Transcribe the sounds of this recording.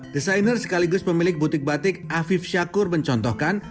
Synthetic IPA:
d̥isajnərsə̥kaliɡʊspəmilɪk̚but̪ɪk̚bat̪ɪk̚afɪfʃakʊrməɲt͡ʃɔnt̪ɔhkan

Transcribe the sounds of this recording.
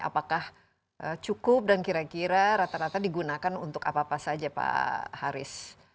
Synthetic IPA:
a̰pakah | ʔət͡ʃukʊp̚dankiɾakiɾaɾat̪aɾat̪adiɡunakanunt̪ʊka̰paːpasad͡ʒapa̰haɾɪ̰s

